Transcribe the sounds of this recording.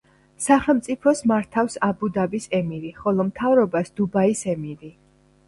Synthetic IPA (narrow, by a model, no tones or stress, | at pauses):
saχɛlˠmt̪sʼipʰɔsmaɾt̪ʰafsabud̪abisɛmiɾiχɔlˠɔmt̪ʰavɾɔbasd̪̥ubaisɛmiɾi